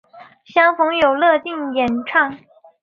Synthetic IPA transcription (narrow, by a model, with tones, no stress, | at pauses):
ɕjɑ˥ŋfʊ˧˥ŋjo˨˩ʊlɤ˥˧t̪i˥˩ŋjɛ˨˩nʈ͡ʂʰɑ˥˩ŋ